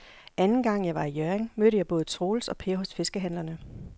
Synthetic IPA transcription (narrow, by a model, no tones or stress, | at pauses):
ʔænn̩ɡ̥ɑ̈ŋ̰jɑ̈ɪʋɑ̈ijøeŋmøɾəjɑɪb̥ɔ̽ːð̞̩ˠt͡sʰʁo̝ːlsɒ̽pʰe̝ɐɦɔ̽sfe̝sɡ̥əɦæn̰lɐnə